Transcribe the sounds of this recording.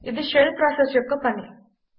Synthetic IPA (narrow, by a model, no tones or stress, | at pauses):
id̪iʃelpɾaːsesjokːupɐni